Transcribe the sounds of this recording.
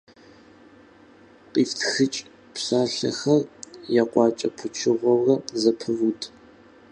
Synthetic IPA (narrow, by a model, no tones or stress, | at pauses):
qʼiːftʰxɨt͡ʃʼ | psaːɬɐ̰xɐrjaqʷʼɑːt͡ʃʼɐpʰʊt͡ʃʰɪʁʷɔwrɐzɐpʰɨvutʰ